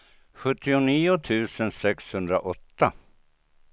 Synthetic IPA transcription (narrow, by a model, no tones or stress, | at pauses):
ɧɵt̪ːɪʊniːʊt̪ʰʉ̟ːsənsɛkshɵnd̪ɾa̰ʔɔt̪ːa